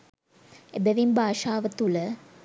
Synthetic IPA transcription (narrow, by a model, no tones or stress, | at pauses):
ebeʋimbaːʃaːʋɐt̪ulə